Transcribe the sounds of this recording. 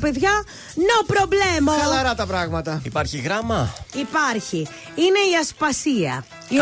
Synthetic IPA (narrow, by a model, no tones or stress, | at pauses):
pe̞ðʝɐ | nopɾoblemolɐɾɐt̪ɐpɾɐɣmɐt̪ɐipɐɾçiɣɾɐmɐipɐɾçi | ine̞iɐspɐsiɐ̰ | i